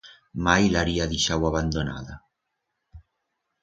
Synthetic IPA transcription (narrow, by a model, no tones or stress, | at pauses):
majlaɾiaðiʃawaβand̪ona̰ða